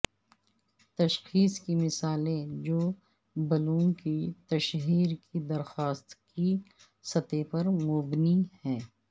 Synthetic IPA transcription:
t̪ɐʃxiːskimɪsaːlẽd͡ʒoː | bɐlũːkit̪ɐʃɦiːɾkid̪ɐɾxaːst̪ki | sɐt̪epɐɾmʊbnihɛ̃ː

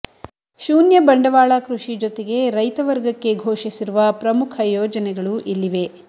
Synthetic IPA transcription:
ʃuːnjɐbɐɳɖɐʋaːɭakɾuʂid͡ʒot̪eɡe̞ɾɐjt̪ɐʋɐɾɡɐkːe̞ɡʱoːʃisiɾuʋɐpɾɐmukʰɐjɔːd͡ʒɐnɛɡɐɭuʔilːiʋe̞

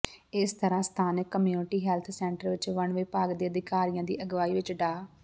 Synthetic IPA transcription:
ɪst̪əɾãːst̪ʰaːnɪkːəmjuːnɪʈiːɦɛːlt̪ʰsɛːɳʈəɾʋɪt͡ʃʋəɳʋeːpaːɡd̪eːəd̪ɪkaːɾijãːd̪ḭːʔəɡʋaːiːʋɪt͡ʃɖaː

